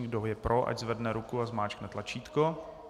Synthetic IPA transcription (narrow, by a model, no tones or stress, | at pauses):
ɡdoɦjɛpɾʔoʔa̰ɟzvɛdnɛɾukuazmaːt͡ʃknɛt̪lat͡ʃiːt̪ko